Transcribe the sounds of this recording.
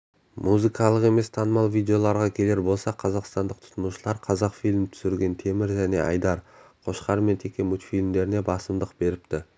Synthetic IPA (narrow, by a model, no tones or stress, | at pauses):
muzɨkɑlˠəqe̞me̞st̪ʰɑnəmɑlˠvijd̪e̞o̞lˠɑɾʁɑkʲʰe̞le̞ɾbo̞lˠsɑqʰɑzɑqst̪ɑnd̪əq̚t̪ʰʊ̥t̪ənuʃəlˠɑɾqʰɑzɑqfijlʲmt̪ʰʏ̥sɪɾɡʲe̞nt̪ʰe̞mɪɾʒæne̞̰ʔɑ̰jd̪ɑɾqʰo̞ʃqɑɾme̞nt̪ʰe̞kʲe̞mut̪ifijlʲmd̪e̞ɾɪne̞bɑsəmd̪əqbe̞ɾɪp̚t̪ɪ